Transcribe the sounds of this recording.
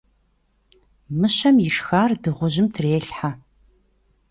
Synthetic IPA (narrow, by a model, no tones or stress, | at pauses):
mɨɕɐmjɪʂxaːrdɨʁʷʊʑɪmtʰreːɬħa